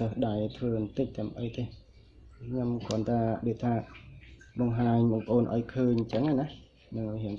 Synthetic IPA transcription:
əsɗajt̪ʰʋəːnt̪ɨc̚t̪aəmʔəjt̪eː | kʰɲomkʰŏənt̪aːɗot̪ʰaː | ɓɑŋɦaːɲɓɑːŋpəʔoːnʔa̰ɔjkʰəːɲt͡ɕəŋana | nɨŋɦiən

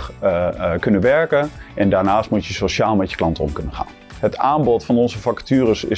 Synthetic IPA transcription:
kɵnənʋɛɹkənʔɛndaːɹnaːstmutjəsoʃaːlˠmɛtjə̥klɑntɔ̰mkɵnəχa̰ːn | ɦətʰaːmbɔtfɑnɔnzəfɑktyːrəsɪ̰

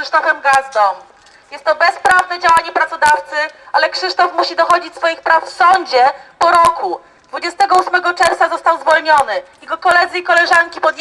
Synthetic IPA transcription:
ɘʂt̪ɔfɛmɡazd̪ɔm | jɛst̪ːɔbɛspɾavnɛd͡ʑawaɲɛpɾat̪sɔd̪aft̪sɘalɛkʂɘʂt̪ɔfmuɕid̪ɔxɔd͡ʑit͡ɕsfɔjixpɾafsɔɲd͡ʑɛpɔɾɔku | d̪vud͡ʑɛst̪ɛɡɔusmɛɡɔt͡ʂɛɾft̪azɔst̪awzvɔlɲɔnɘjɛɡɔkɔlɛd̪zɘikɔlɛʐaŋkʲipɔd̪j

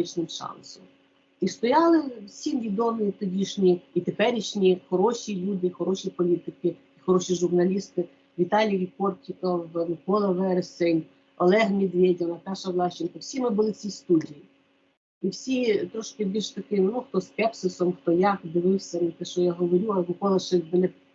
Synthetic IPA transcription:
ɪt͡ʃnɪmʃɑ̰nsɔ̰m | ist̪ɔjɑlˠɪwsʲimʋʲid̪ɔmɪit̪ɔdʲiʃnʲiit̪epɛɾʲiʃnʲixɔɾɔʃʲilʲud̪ɪxɔɾɔʃʲipɔlʲit̪ɪkɪ | ixɔɾɔʃʲiʒʊrnɐlʲist̪ɪ | ʋʲit̪ɑlʲijipɔrtʲɪkɐwnɪkɔlˠɐʋɛrsenʲ | ɔlˠɛɦmʲid̪ʋʲedʲɪʋnɐpɛʃɐʋlˠɑʃt͡ʃɪnkɐwsʲimɪbʊlˠɪt͡sʲist̪udʲiji | iwsʲit̪ɾɔʃkɪbʲilʲʃt̪ɐkɪmnuxt̪ɔskɛpsʊsɔmxt̪ɔjakd̪ɪʋɪwsʲɐnt̪ɛʃt͡ʃɔjaɦɔʋɔɾʲuɐnɪkɔlˠɐʃɪb̪ɪnɪ

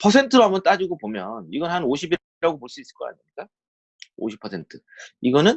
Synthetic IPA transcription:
pʰʌsʰe̞ntʰɯɾoɦambʌnt͈ad͡ʑuɡopomjʌniɡʌnɦanoɕʰibiɾiɾaɡopoɭs͈uis͈ɯɭk͈ʌka̰ɲimɲik͈a | o̰ɕʰi̥pʰːʌsʰe̞ntʰɯ | iɡʌnɯn

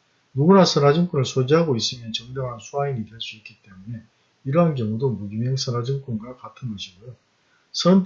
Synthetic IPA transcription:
juɡunasʰʌnad͡ʑimk͈unɯɭsʰod͡ʑiɦaɡois͈ɯmjʌnt͡ɕʌŋdʌŋɦansʰuainidweɭs͈uitk̚k͈it͈e̞mune̞ | iɾʌɦankʌŋudomuɡimeŋsʰʌnad͡ʑimk͈unɡakatʰɯnɡʌɕʰiɡojo | sʰʌn

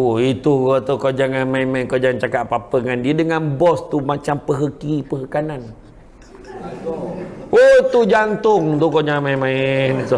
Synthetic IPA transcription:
oit̪ukot̪ukod͡ʒaŋanmainmaɪnkod͡ʒaŋant͡ʃakaʔpapəŋandiədəŋanbɔst̪umat͡ʃampəɦəkipəɦəkanan | ot̪ud͡ʒant̪ʊŋt̪ukɔd͡ʒaŋanmainmaɪnt̪u

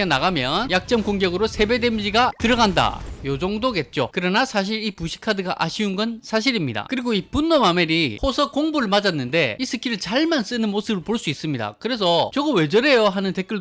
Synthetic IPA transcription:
enaɡamjʌnjak̚t͡ɕ͈ʌmkoŋɡjʌɡɯɾosʰe̞be̞demd͡ʑiɡatɯɾʌɡanda̰jod͡ʑoŋdoɡe̞t̚t͡ɕ͈o̰kɯɾʌnasʰaɕ̬ʰiɾipuɕʰi̥kʰadɯɡaʔaɕʰiunɡʌnsʰaɕ̬ʰiɾimɲida̰kɯɾiɡoipunːomame̞ɾihʰosʰʌkoŋbuɾɯɭmad͡ʑanːɯnde̞isʰɯkʰiɾɯɭt͡ɕaɭmans͈ɯnɯnmosʰɯbɯɭpoɭs͈uis͈ɯmɲida̰kɯɾe̞s̬ʰʌt͡ɕʌɡɯwe̞d͡ʑʌɾe̞joɦanɯnte̞k͈ɯɭ

